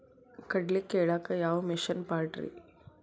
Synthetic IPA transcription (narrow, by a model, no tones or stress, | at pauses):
kɐɖlikːeːɭaːkɐjaːʋɐmiʃɐnpaːɾʈɾḭ